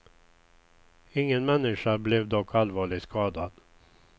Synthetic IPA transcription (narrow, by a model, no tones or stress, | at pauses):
ɪŋːənmɛnːɪʂablɛvd̪ɔkʰːalvɑːɭɪɡskʰɑːd̪ad̪̥